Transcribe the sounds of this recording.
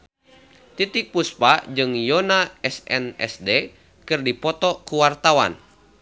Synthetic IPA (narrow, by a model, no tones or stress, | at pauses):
t̪it̪ik̚puspad͡ʒɨŋjɔnaɛsɛ̰nɛ̰sdɛ | kɨrdipɔt̪ɔkuwart̪awa̰n